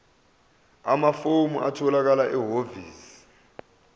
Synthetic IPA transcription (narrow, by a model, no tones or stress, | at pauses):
amafomuʔatʰɔlak̬alaʔɛɦoviːsi̥